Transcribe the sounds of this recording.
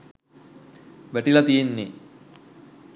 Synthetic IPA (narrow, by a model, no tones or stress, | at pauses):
ʋæʈilat̪ijenːe